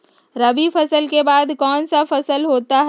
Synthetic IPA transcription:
ɾɐbifʰɐsəlkebaːd̪kɔːnsafɐsəlɦoːt̪aɦ

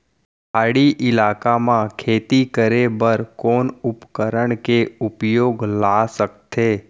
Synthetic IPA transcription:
aːɽiʔɪlaːkamãkʰeːt̪ikəɾebəɾkoːnʊpkəɾəɳ̃keʊpjoːɡlasəkt̪ʰeː

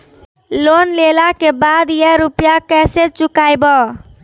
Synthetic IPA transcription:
lonlelakebad̪jɛɾupjakɛset͡ʃukajbɔ

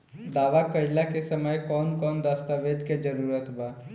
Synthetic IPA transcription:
d̪aːʋakəjlakesəməjkɔːnkɔːnd̪aːst̪aʋeːd̪ked͡ʒəɾuːɾət̪baː

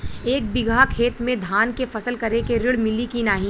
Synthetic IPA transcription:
eːk̚bɪɡʱakʰeːt̪mẽd̪ʱaːnkefɐsəlkɐɾekeɾɪɽmɪlikinaːɦĩ

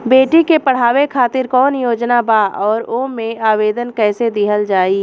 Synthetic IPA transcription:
beːʈikepɐɽ̤aːʋekʰaːt̪ɪɾkɔːnjoːd͡ʒnabaːɔːɾoːmẽaːʋeːd̪ənkɛːsed̪ɪɦəld͡ʒaːiː

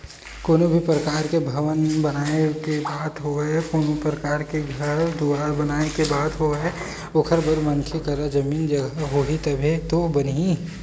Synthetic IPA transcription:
koːnobʱipɾəkaːɾkebʱɐʋənbənaːekebaːt̪ɦoɛkoːnopɾəkaːɾkeɡʱəɾd̪uaːɾbənaːnekebaːt̪ɦoɛ | okʰəɾbəɾmɐ̃nkʰekəɾad͡ʒɐmiːnd͡ʒəɡəɦoit̪ɐbʱet̪obənɦĩ

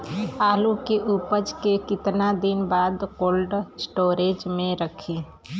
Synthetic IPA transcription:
aːlukeʔupəd͡ʒkekɪt̪nad̪ɪnbaːd̪koːlɖsʈoːɾeːd͡ʒmẽɾəkʰi

